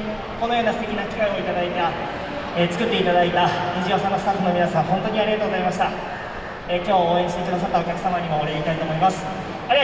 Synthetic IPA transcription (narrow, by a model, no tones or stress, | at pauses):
ko̞nojo̞ːnasɨ̥t̪e̞kʲinakʲi̥kaĩo̞it̪ad̪ait̪a | et͡sɨ̥kɯ̟t̪ːe̞it̪ad̪ait̪aid͡ʑio̞ːsanːosɨ̥t̪aɸːɯno̞mʲinasãɰ̃ɦõ̞nt̪o̞ːɲ̟iaɾʲiat̪oɡozaimaɕ̬i̥t̪a | ekʲo̞ːoːẽ̞ɕi̥t̪e̞kɯd̪as̬at̪ːaokʲakɯ̟samaɲ̟imo̞ːɾeit̪ait̪o̞ːmo̞imasɨ̥ | aɾi